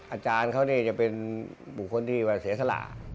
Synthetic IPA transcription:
ʔaː˧t͡ɕaː˧nkʰa˥˩wniː˥˩t͡ɕa˨˩pe˧nbu˨˩kʰːo˧nt̪ʰiː˥˩waː˧˩si˨˩˦sa˧la̰ː˨˩

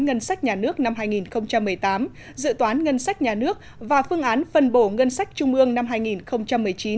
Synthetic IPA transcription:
ŋə˧nsa˦˥jk̚ɲaː˨˩nɨ˦˥ək̚na˧mɦaː˧jŋi˨˩nxə˧wŋ͡mt͡ɕa˧mːɨ˨˩əjt̪aː˨˦m | zɨ̰˧˨t̪waː˨˦nŋə˧nsa˦˥jk̟̚ɲaː˨˩nɨ˦˥ək̚vaː˨˩fɨ˧əŋʔaː˨˦nfə˨˩nɓo˧˩ŋə˧nsa˦˥jk̟̚t͡ɕʊ˧ŋ͡mʔɨ˧əŋna˧mɦaː˧jŋi˨˩nxə˧wŋ͡mt͡ɕa˧mːɨ˨˩əjt͡ɕi˨˦

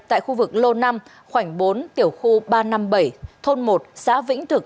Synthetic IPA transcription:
t̪a̰ː˧˨jxu˧vɨ˨˩k̚lo˧na˧m | xwa˧˩jŋ̟ɓo˨˦nt̪i˧˩əwxu˧ɓaː˧na˧mɓə˧˩jt̪ʰo˧nmo˨˩t̚saː˨˦vḭ˧˥ŋ̟t̪ʰɨ˨˩k̚

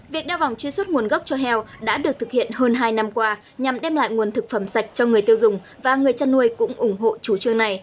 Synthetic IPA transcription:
vi˨˩ək̚ɗaː˧wva˨˩wŋ͡mt͡ɕwi˧swə˦˥t̚ŋu˨˩ənɣə˦˥wk͡p̚t͡ɕɔ˧ɦɛ˧wɗa̰ː˧˥ɗɨ˨˩ək̚t̪ɨ˨˩k̚hḭ˧˨ənɦəː˧nɦaː˧jna˧mkwaː˧ | ɲa˨˩mɗɛ˧mla̰ː˧˨jŋu˨˩ənt̪ʰɨ˨˩k̚fə˧˩msa˨˩jk̟̚t͡ɕɔ˧ŋɨ˨˩əjt̪i˧əwzʊ˨˩ŋ͡m | vaː˨˩ŋɨ˨˩əjt͡ɕa˧nːu˧əjkʊ̰˧˥ŋ͡mʔʊ˧˩ŋ͡mɦo̰˧˨t͡ɕu˧˩˦t͡ɕɨ˧əŋna˨˩j

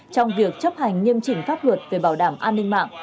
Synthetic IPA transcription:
t͡ɕɔ˧wŋ͡mvi˨˩ək̚t͡ɕə˦˥p̚ha˨˩jŋ̟ɲi˧əmt͡ɕï˧˩ŋ̟faː˦˥p̚lwə˨˩t̚ve˨˩ɓaː˧˩wɗaː˧˩mʔaː˧nːï˧ŋma̰ː˧˨ʔ

